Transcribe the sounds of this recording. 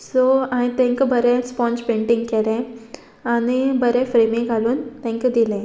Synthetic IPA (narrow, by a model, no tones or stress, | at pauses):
soaĩt̪ɛ̃ŋkəbəɾẽspɔ̃nspẽɳʈiŋɡkeɾɛ̃ | anibəɾẽfɾemĩŋɡʱaluːnt̪ɛ̃ŋkəd̪ilẽ